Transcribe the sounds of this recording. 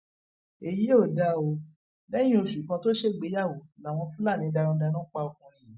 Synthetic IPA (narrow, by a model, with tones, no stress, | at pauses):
e˨ji˨˦o˦˨da˨˦o˧ | lɛ̃˦ĩ˦o˧˨ʃu˨kã˧to˦ʃe˦˨ɡ͡be˨˦ja˦˨wo˨la˨w̃ɔ̃˧fũ˦la˦˨nĩ˧˦da˧ɾũ˧da˧nũ˦k͡pa˧o˨kũ˧ɾ̃ĩ˧